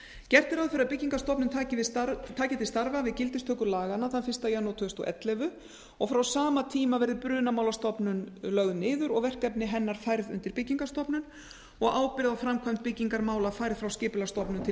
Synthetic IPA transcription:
cɛr̥t̪ɪɾaðfɪɾɪaðpɪciŋkast̪ɔpnʏmt̪ʰaːcɪvɪst̪aɾt̪ʰaːcɪt̪ʰɪst̪aɾvavɪðcɪlt̪ɪst̪ʰœːkʏɾlaːɣanːaθanfɪrst̪ajanːawt̪ʰʏːst̪ɔ̰ʔɛ̰t̪lɛvʏ | ɔɣfɾawsaːmat̪ʰiːmavɛɾðɪpɾʏːnamaːwlast̪ɔpnʏnlœɣðʏnɪːðʏɾɔɣvɛr̥kɛpnɪɦɛnːaɾ̥fajɾðʏ̰nt̪ɪɾpɪcːiŋkast̪ɔpnʏn | ɔɣaːwpɪɾɪðawfɾamkʰajmt̪̚pɪcːiŋkaɾmaːwlafajɾðfɾawscɪːpɪlast̪ɔpnʏnt̪ʰɪ

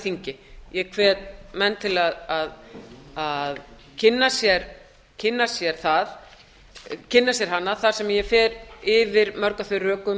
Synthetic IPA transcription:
θiɲcɪjɛɣkʰvɛːt̪mɛnːt̪ʰɪlaðaðað | cʰɪnːasjɛɾ | cʰɪnːasjɛɾ̥θað | cʰɪnːasjɛɾ̥ɦanːaθaɾ̥sɛmjɛfɛːɾɪvɪɾmœɾkaθʏrœːkʏm

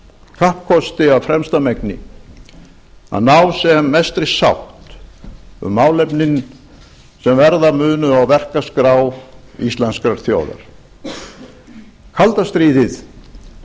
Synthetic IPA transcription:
kʰahp̚kʰɔst̪ɪawfɾɛmst̪amɛknɪ̰ | a̰ðnaːwsɛmːɛst̪ɾɪsa̰wht̪ | ʏ̰mːaːwlɛpnɪn | sɛmvɛɾðamʏːnʏawvɛr̥kaskɾaːwist̪lanskɾaɾ̥θjoːwða̰ɾ̥ | kʰalt̪ast̪ɾiːðɪθ

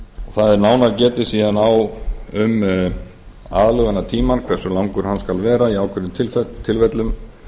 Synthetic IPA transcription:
ɔθaðɛɾnaːwnaɾcɛːt̪ɪ̥siːðanawʏm | a̰ːðlœɣanːat̪ʰiːmankʰvɛrsʏlawŋkʏɾ̥hanskalvɛːɾaiaːwkʰʏɾʏmt̪ʰɪt̪ʰːɪlvɛt̪lʏm

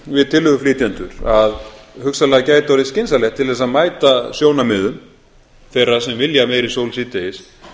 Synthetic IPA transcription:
vɪðt̪ʰɪlhʏɣʏfliːt̪jant̪ʏɾ̥aðhʏksalɛɣacaːjt̪awɾɪscɪnsalɛxt̪ʰːɪlðɛs̬aðmaːjt̪asjoːwnamɪːðʏm | fɛjrḁsɛmvɪljamejɾisowlsiːt̪ejɪs

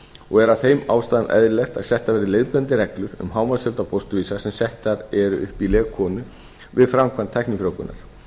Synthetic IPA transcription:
ɔɣɛɾaθejmawst̪aːðanʔɛ̰ðɾɪlɛxt̪aðsɛht̪avɛːɾɪlejðplɛnt̪ɪɾɛklʏɾʏ̰mɦaːwmasœlt̪apɔwst̪ʏviːsasɛmsɛht̪aɾɛɾʏ̰ʔʏ̰hpilɛːɣkʰːɔːnʏ | vɪðfɾamkʰant̪ʰːajhkniŋfɾowkʏna̰ɾ̥

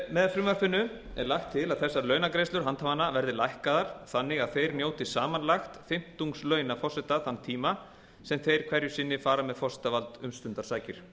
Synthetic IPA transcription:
mɛðfɾʏːmaɾfʏnːʏ | ɛ̰ɾlaxt̪ʰːɪlaðθɛsːaɾlœːɥnakɾejst̪ʏɾɦant̪havanːavɛɾðɪlajhkaðaɾ̥θanːɪɣaðθejɾnjoːwt̪ɪsaːmanlaxt̪fɪm̥t̪uŋkslœːɥnafɔr̥sɛt̪aθanːt̪ʰiːma | sɛmθejɾ̥kʰvɛɾjʏsɪnːɪfaːɾamɛðfɔsɛ̥t̪avalt̪ʏmst̪ʏnt̪aɾ̥saːjcɪɾ̥

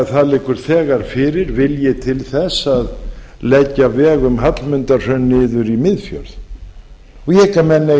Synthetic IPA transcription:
θaðlɪkʏɾ̥θɛːɣaɾ̥fɪɾɪɾvɪljɛt̪ʰɪlθɛsað | lɛcːavɛːɣʏmɦat̪lmʏnt̪ar̥œnːɪːðʏɾimɪðfjœ̰ɾð | ɔjɛɪkamɛnːa

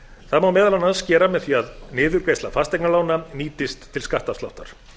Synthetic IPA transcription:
θaðmaːwmɛːðalawnaðscɛːɾamɛðθiaðnɪːðʏɾkvejst̪lafast̪ɛjknalaːwnaniːt̪ɪst̪ʰːɪlskaht̪ast̪a̰wht̪aɾ̥

